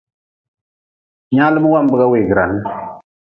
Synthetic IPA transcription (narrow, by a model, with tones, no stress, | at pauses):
ɲã˦lɨ˦mu˦wa˦˨mbɨ˦ɣa˦we˨ɡɾa˨l